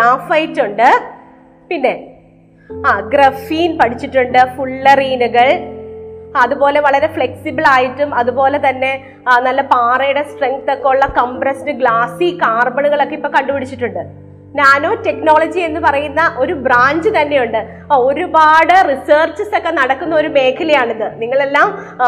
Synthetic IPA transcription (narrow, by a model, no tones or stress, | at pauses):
aːfɐjiʈːuɳɖɨ | pinːe̞ | ɡrɐfiːnpɐɽit͡ɕːiʈːuɳɖɨfuɭːɐriːnuɣɐɭ | ɐðubo̞ːle̞ʋɐɭɐɾe̞fɭe̞ksibɐɭaːjiʈːumɐðubo̞ːle̞t̪ɐnːe̞ | nɐlːɐpaːrɐjuɽesʈreŋk̚t̪okːeuɭːɐkɐmprɐsdɨɡɭaːsikaːrbɐɳuɣɐɭo̞kːeipːoːkɐɳɖupɐɽit͡ɕːiʈːuɳɖɨ | ɲaːnoːte̞kno̞ːɭɐd͡ʑie̞nːɨpɐrɐjunːɐʔo̞ɾubraːɲd͡ʑɨt̪ɐnːe̞juɳɖɨ | o̞ɾubaːɽɨriseːrt͡ɕɐso̞kːe̞nɐɽɐkːunːɐo̞ɾume̞ːkʰːɐlɐjaːɳenðɨniŋːɐɭe̞lːaːm